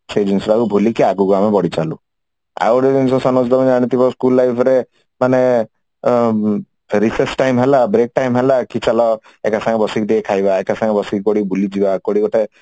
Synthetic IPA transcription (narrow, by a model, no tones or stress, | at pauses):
sed͡ʒinsɾaɡubʱulikiaɡuɡamebɔɽit͡ʃalu | a̰wɾed͡ʒinsɔsɔnɔsd̪ɔbɔnaɽ̃it̪ibɔskulːajpʰɔɾe | mane | ɾisesʈajmɦelabɾek̚ʈajmɦelakit͡ʃalɔ | ekasaŋɔbɔsik̚d̪ekʰajbaekasaŋɡbɔsik̚bɔɽibulid͡ʒibakɔɽiɡɔʈe